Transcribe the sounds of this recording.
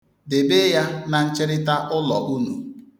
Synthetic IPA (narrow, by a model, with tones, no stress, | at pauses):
de˨be˦ja˦na˨n̩˦t͡ʃɪ˦ɾɪ˦ta˦ʔʊ˦lɔ˨ʔu˦nṵ˨